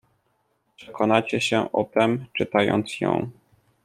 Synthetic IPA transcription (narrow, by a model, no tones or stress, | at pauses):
pʂɛkʰɔnat͡ɕɛɕɛʔɔt̪ɛmt͡ʂɘt̪ajɔ̰nt̪sjɔ̰̃w̃